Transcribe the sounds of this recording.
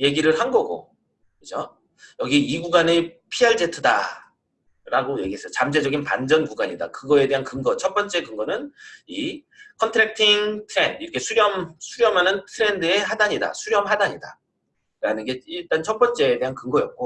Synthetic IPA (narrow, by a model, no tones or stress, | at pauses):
je̞ɡiɾɯɭɦanɡʌɡo̰ | kɯd͡ʑo | jʌɡiiɡuɡanepʰiaɭd͡ʑetʰɯda̰ | ɾaɡoje̞ɡies͈ʌot͡ɕamd͡ʑed͡ʑʌɡinpa̰nd͡ʑʌnkuɡaɲida̰kɯɡʌe̞de̞ɦankɯŋɡʌt͡ɕʰʌt̚p͈ʌnt͡ɕ͈e̞kɯŋɡʌnɯni | kʰʌntʰɯɾak̚tʰiŋtʰɯɾe̞ndiɾʌkʰe̞sʰuɾjʌmsʰuɾjʌmɦanɯntʰɯɾe̞ndɯe̞ɦadaɲida̰sʰuɾjʌmɦadaɲida̰ | ɾanɯnɡe̞iɭt͈ant͡ɕʰʌt̚p͈ʌnt͡ɕ͈e̞ːde̞ɦankɯŋɡʌjʌp̚k͈o